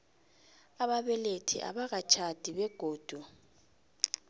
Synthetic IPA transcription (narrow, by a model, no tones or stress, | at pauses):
aɓaɓɛletʰḭʔa̰ɓaɣat͡ʃʰad̥ʱiɓɛɡ̥ʱoːd̥ʱu